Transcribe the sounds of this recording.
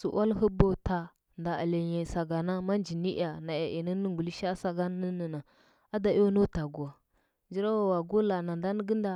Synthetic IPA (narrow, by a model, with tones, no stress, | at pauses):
sṵ˨ʔa˦lɦə˦bo˦ta˨ | nda˨a̰˨le˨ɲe˨sa˨ɡa˨na˦ma˦nd͡ʒi˨ni˦ʔa˨na˨ja˨ʔi˨nə˦nə˦ɡu˨li˦ʃa˦sa˦ɡa˦ə˦nə˦na˨ | a˦da˨jo˦no˦ta˨ɡu˨a˨ | nd͡ʒi˦ɾa˦wa˨wa˨ɡu˦la˨na˨nda˦n˦ɡə˦nda˨